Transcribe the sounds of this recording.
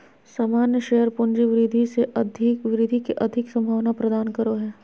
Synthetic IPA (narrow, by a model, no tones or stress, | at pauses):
saːmaːnjəʃeɦəɾpʊnd͡ʒiʋɪɾɪd̪ʱiseʔɐd̪ʱɪkʋɪɾɪd̪ʱikeʔɐd̪ʱɪksɐ̃mbʱaːʋnapɾɐd̪aːnkɐɾoɦɛː